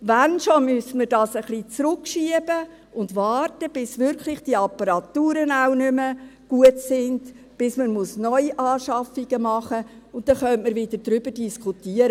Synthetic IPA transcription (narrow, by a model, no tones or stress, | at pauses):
ʋænʃomʏsəməɾdɑːsəχlit͡sɾʊkʃiəbə | ʊndʋɑːrtəb̥ɪsʋʏɾkʰlɪχd̥iəɑpɑɾɑtːuːɾənaʊnʏməɡ̥uətsɪnd | b̥ɪsmənmusnɔʏiʔɑːʃɑfiɡ̥əmɑχə | ʊnt̪̚ːɛχœntməɾvɪdəd̥ɾʏbəɾdiskχutiəɾə